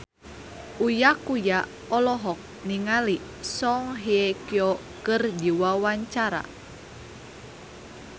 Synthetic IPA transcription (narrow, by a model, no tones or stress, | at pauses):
ujakuja | ɔlɔɦɔk̚niŋali | sɔŋɦiekiɔ | kɨrd͡ʒiwawaɲt͡ʃaɾa̰